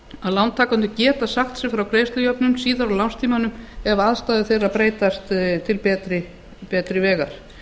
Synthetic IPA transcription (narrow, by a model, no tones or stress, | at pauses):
aðlawnt̪ʰaːkant̪ʏcɛːt̪asaxt̪sɛfɾawkɾejst̪lʏjœpnʏmsiːðaɾawlawnst̪ʰiːmanʏmɛvaaðst̪aːðɪθejraðpɾeːjt̪ast̪t̪ʰɪlpɛːt̪ɾɪ | pɛːt̪ɾɪvɛːɣaɾ̥